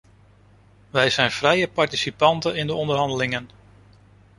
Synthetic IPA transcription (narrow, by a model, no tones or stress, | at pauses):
ʋɛjzɛjnfrɛjəpɑɹtisipɑntənɪndəɔndəɾɦɑndəlɪŋən